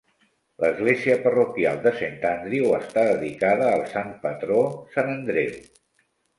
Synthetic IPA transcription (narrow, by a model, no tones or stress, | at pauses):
ləzɣleziəpərukja̰lˠd̪əsent̪and̪ɾiwəst̪aðəðikaðəːlˠsanpət̪ɾosanənd̪ɾew